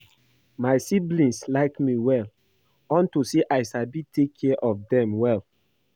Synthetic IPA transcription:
maɪsiblĩnslaɪkmiwɛl | ɔ̃ntuseʔaɪsabitʰekʰːɛʔɔfdɛ̃mwɛl

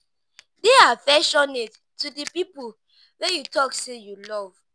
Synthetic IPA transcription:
deafɛʃɔned | tudəpipol | wɛjutʰɔksejulɔv̥

